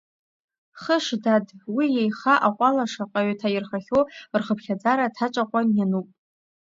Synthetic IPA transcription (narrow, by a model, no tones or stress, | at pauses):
χəʂdadwijejχaʔaqʷʼalaʂaqʼaɥtʰajɪrχaχʲowrχəpʰχʲad͡zaɾatʰaʈ͡ʂʷʼaqʷʼanjanupʼ